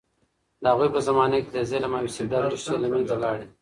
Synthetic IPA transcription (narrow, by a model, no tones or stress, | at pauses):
d̪əhaɣujpəzamɑnaked̪əzelamawisib̚d̪ɑɾt̪uʃtelamanzalɑɽi